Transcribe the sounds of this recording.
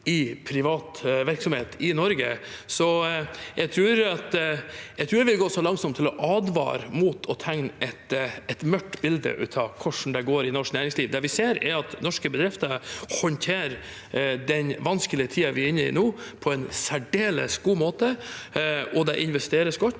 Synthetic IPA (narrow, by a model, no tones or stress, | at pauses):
ɪpʰɾɪʋɑːt̪ʋæɾksɔmheːt̪ʰɪnɔɾɡə̰sɔjɛɡt̪ʰɾʉːɾɑt̪jɛt̪ʰɾʉːɾɛʋɪlɡoːsɔlɑŋsɔmt̪ʰːɪlɔʔɑːd̪ʋɑ̰ːɾmuːt̪ʰɔt̪ʰɛŋnʔɛt̪ɛt̪mœʈːbɪld̪ə̰ʔʉ̰ːt̪ʰɑkʰɔʂn̩d̪ɛɡoːɾɪnɔʂknæːɾɪŋsliːʋd̪ɛːʋɪseːɾɛ̰ɾɑt̪nɔʂkəbəd̪ɾɪft̪əɾhɔnt̪ʰeːɾ | d̪ɛnʋɑnskəlɪət̪ʰiːɑʋɪɾɪnːəɪ̰noːpʰɔɛnsæɖeːlə̰sɡuːmoːt̪ə | ɔd̪ɛʔɪnʋɛst̪eːɾəsɡɔt̪ː